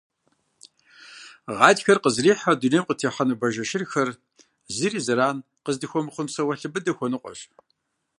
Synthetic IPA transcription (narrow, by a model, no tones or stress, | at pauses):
ʁɑːdxɐrqəzriːħɐdunemqətʰeːħɐnɨbɐʒɐʃɪrxɐr | zɨriːzɨɾaːn | qəzdɨxʷɔmɨχʷʊnsɐwɐɬɨbɨdɐxʷɔnɨqʷʼɔ̰ɕʼ